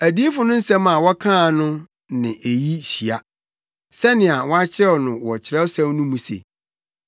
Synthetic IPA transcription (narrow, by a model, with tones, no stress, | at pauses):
æ˨di˦e˦fʊ˦nʊ̃˦n̩˦sɛ̃˦ma˨wɔ˦kʰã˦˨nʊ̃˦ | nɪ̰̃˨ʔe˨ji˦ɕi˨a˨ | sɛ˦nɪ̃˨a˨wɔ˦a˦t͡ɕʰɪ˦ɾɛ˦wnʊ̃˨wɔ˨t͡ɕʰɪ˨ɾɛ˦wsã˦mnʊ̃˦mũ˨sḛ˨